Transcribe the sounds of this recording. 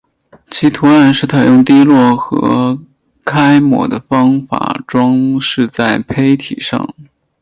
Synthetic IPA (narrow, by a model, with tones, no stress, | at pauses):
t͡ɕʰi˧˥t̪ʰu˧˥ɻa˧˥nʂɻ̩˥˩t̪ʰa˧˥˩jʊ˥˧ŋt̪i˥lwɔ˥˩xɤ̰˧˥ | kʰa˥ɪmwɔ̰˧˥d̪ə˧fɑ˥ŋfa̰˨˩ʈ͡ʂwɑ˥ŋʂɻ̩˥˧t͡sa˥˩ɪpʰe˥ɪt̪ʰḭ˨˩ʂɑ̰˥˩ŋ